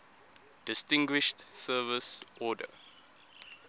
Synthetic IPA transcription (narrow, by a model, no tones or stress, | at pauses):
d̥ɪstɪ̃ŋɡwɪʃtsəːvəsʔɔːdə̰